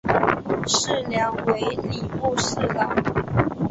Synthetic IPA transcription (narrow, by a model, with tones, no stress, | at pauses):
ʂɻ̩˥˩˨ljɑ˧˨˦ŋwe˨˦ɪli˨˩pu˥˧ʂ̩˥˩lə˨˩